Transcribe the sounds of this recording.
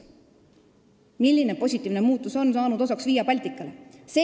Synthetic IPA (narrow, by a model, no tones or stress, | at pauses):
milʲːine̞po̞sʲit̪ːˑiːvne̞muːt̪ːˑuso̞nsɑːnud̪osɑksviːjːɑpɑlʲt̪ikːˑɑleseː